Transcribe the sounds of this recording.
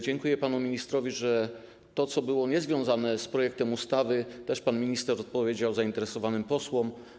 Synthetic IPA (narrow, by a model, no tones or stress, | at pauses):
d͡ʑɛŋkujɛpanumʲiɲist̪ɾɔvʲiʐɛ | t̪ɔt̪sɔbɘwɔɲɛzvʲjɔ̃w̃zanɛspɾɔjɛk̚t̪ɛmust̪avɘt̪ɛʂpanmʲiɲist̪ɛɾɔt̪̚pɔvʲjed͡ʑawzaint̪ɛɾɛsɔvanɘmpɔswɔm